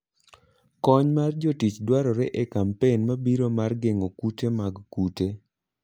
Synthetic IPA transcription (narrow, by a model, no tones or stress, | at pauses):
kɔɲmard͡ʒotit͡ʃdwaɾɔɾeʔekampenmabiɾomarɡeŋokutemaɡkute